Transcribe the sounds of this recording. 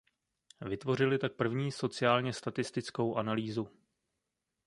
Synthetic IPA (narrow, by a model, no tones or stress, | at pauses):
vɪt̪vo̞r̝ɪlɪt̪ak̚pr̩vɲiːso̞t͡sɪjaːlɲɛst̪at̪ɪst̪ɪt͡sko̞wʔanaliːzu